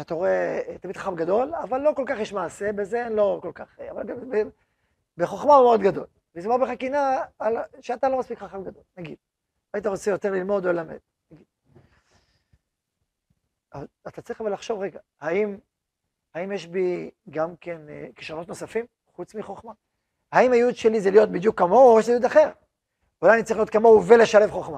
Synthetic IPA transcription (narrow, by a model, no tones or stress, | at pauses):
eat̪aooet̪amid̪̥χaχabɡado̞lavalːo̞ko̞lkaχjeʃmaːse̞bezeenlo̞kolkaχavalɡabe | beχoχmaumeod̪ɡado̞l | lismoʁbeχakinaːlʃeat̪alo̞maspikχaχabɡad̪o̞lnaɡid̥̪̚ | ait̪̬aʁot͡sejo̞t̪eʁlilmo̞d̪o̞lelame̞̰d̥̪̚ | naɡid̥̪ | avaat̪at͡saʁiχavelaχʃo̞vʁeɡa | haim | haimjeʃbiɡamkenki̥ʃʁonot̪no̞safim | χut͡smiχo̞χma | haimajud̪ʃelizelijo̞t̪̚bid̪jukːamo̞ojeʃzejud̪aχe̞ʁ | ulajanitt͡saʁiliot̪kamouvele̞ʃale̞vχo̞χma